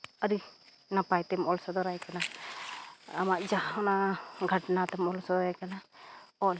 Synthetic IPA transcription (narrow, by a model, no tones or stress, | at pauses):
əɾi | napajt̪ɛmɔlsɔd̪ɔɾajkana | amaʔd͡ʒahɔnaɡʱəʈnat̪ɛmɔlsɔd̪ɔɾajkanaɔl